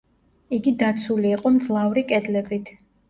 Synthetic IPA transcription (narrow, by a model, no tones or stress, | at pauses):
iɡid̪at̪sʰuliːqʼɔmd̪zlˠavɾikʼɛd̪lɛbit̪ʰ